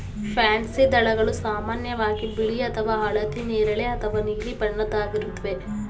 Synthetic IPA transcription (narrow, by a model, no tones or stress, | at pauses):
pʰaːnsid̪ɐɭɐɡɐɭusaːmaːnjɐʋaːɡibiɭiɐt̪ʰɐʋaːɦɐɭɐt̪ineːɾɐɭeɐt̪ʰɐʋaniːɾipɐɳːɐd̪aːɡiɾut̪ːɐʋe